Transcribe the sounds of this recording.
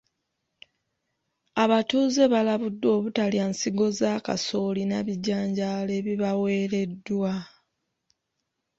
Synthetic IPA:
aβatuːze̞βalaβudːo̞ːβutaliaːnsiɡo̞zaːka̰so̞linaβiɟaːɲɟale̞βiβawe̞ːɾe̞dːwa

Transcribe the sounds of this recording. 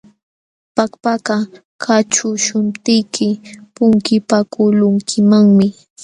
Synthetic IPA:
pakpakɑ | kʰat͡ʃʊʃʊnt̪ɪjkʰɪpʊŋkɪpakʊlʊŋkʰɪmaŋmɪ

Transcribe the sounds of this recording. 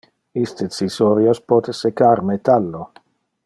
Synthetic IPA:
ist̪et͡sisoɾjospɔt̪esekaɾmet̪alːo

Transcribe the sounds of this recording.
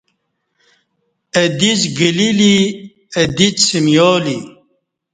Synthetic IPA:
ɐd̪izɡilili | ɐd̪it͡ssimjoːli

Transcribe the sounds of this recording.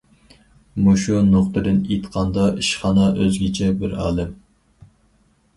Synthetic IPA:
muʃunoχt̪ɨd̪ɨnet̪qʰɑnd̪ɑʔiʃχɑnɑʔøzɡʲɪt͡ʃʰɛbɪɾɑ̰ːlˠɨm

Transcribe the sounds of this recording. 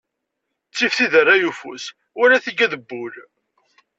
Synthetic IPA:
t͡sːifθiðərːajufṵs | wælæθiɡæðəbːʊl

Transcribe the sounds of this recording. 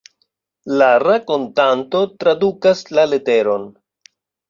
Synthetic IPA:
laɾako̞ntanto̞tɾadukaslale̞te̞ɾo̞n

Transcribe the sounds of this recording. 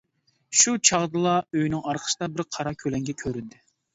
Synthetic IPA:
ʃut͡ʃʰɑʁd̪ɨlˠɑøjnɪŋɑɾqʰə̥sɨd̪ɑbɪɾqʰɑɾɑkʲʰølɛŋɡʲɛkʲʰøɾynd̪ɪ

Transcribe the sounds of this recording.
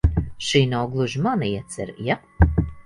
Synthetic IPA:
ʃiːnawɡlˠuʒimanɨiɛt̪sʲɛɾja

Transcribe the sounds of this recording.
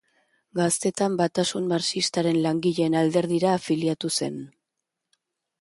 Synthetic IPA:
ɡast̪e̞t̪ambat̪asunmaɾsist̪aɾe̞nlaŋɡiʎe̞ːnald̪e̞ɾðiɾaːfiliat̪use̞̰n

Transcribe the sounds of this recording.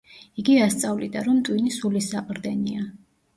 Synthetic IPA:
iɡiast̪sʼavlid̪aɾɔmt̪ʼwinisulisaqʼɾd̪ɛnia

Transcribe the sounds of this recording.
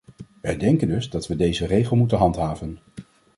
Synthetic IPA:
ʋɛjdɛŋkəndɵzdɑtʋədejzərejχəlˠmutənɦɑntɦaːvən

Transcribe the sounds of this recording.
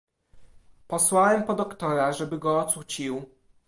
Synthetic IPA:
pɔswawɛmpɔd̪ɔkt̪ɔɾaʐɛbɘɡɔːt̪sut͡ɕiw

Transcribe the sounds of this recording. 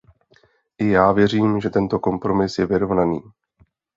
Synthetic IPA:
ʔɪjaːvjɛr̝iːmʒɛt̪ɛnt̪o̞ko̞mpɾo̞mɪsjɛvɪɾo̞vnaniː

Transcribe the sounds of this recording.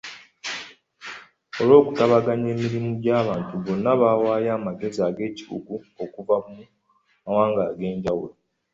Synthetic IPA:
o̞lo̞ːku̥taβaɡaɲe̞ːmiɾimuɟaːβaːntuβo̞nːaβaːwaːjaːmaɡe̞ziaːɡe̞ːci̥βṵɡu | o̞kuvamu | mawaːŋɡaːɡe̞ːɲɟawṵlo

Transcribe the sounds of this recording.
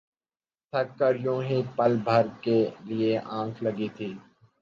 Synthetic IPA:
t̪ʰɐkkːəɾjõːɦeːk̚pəlbʱəɾkelɪeʔãːkʰlɐɡit̪ʰiː

